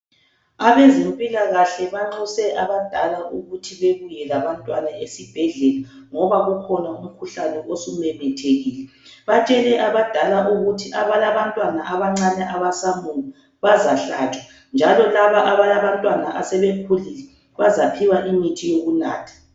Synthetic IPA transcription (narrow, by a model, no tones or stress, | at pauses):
aβezimpʼilaɣaɬɛβaŋ͡ǁɔsɛʔaβad̥ʱalauɣutʰiβeβujɛlaβantʼwanaesib̥ʱɛɮɛla | ŋɔβaɣukʰɔnaum̩kʰuɬanɛʔosumɛmɛtʰeɣiːlɛ | βat͡ʃʼɛlɛʔaβad̥ʱalaʔuɣutʰiʔaβalaβantʼwanaʔaβaŋ͡ǀanɛʔaβasamuŋa | βazaɬat͡ʃʼwa | nd͡ʒʱalɔlaβaʔaβalaβantʼwanaʔasɛβepʰulilɛ | βazapʰiwaʔimitʰijoɣunaːtʰḁ